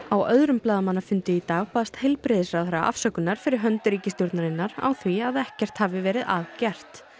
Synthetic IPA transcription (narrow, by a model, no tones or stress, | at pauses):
awœðɾʏmplaːðamanːafʏnt̪ʏit̪aːɣpaːðast̪hɛlpɾɪðɪsɾawɦɛɾa̰ʔa̰fsœkʏnaɾ̥fɪɾɪɾɦœnt̪ʏɾiːcɪst̪jɔɾt̪naɾɪnːaɾa̰wθviaðɛhcɛr̥t̪haːvɪvɛːɾɪðaðcɛr̥t̪